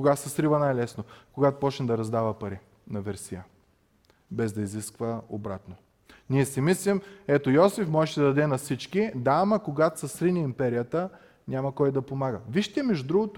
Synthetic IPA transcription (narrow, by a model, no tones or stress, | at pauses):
koɡasɐsɾivənajlɛsnokoɡat̪opɔt͡ʃnɛd̪ɐɾɐzd̪avəpɐɾi | nɐvɛɾsijə | bɛzd̪ɐiziskvəobɾat̪no | niɛsimislimɛt̪ojɔsifmɔʒɛʃɛd̪ɐd̪ɐd̪ɛnɐsit͡ʃkid̪amɐkoɡat̪sɐsɾiniimpɛɾijət̪ə | nʲamɐkɔjd̪ɐpomaɡəviʃt̪ʲɛmɛʒd̪ɾuɡot̪